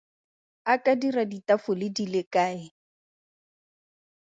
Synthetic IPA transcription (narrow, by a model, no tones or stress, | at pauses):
akʼadiraditafʊlɪdilɪkʼaːɪ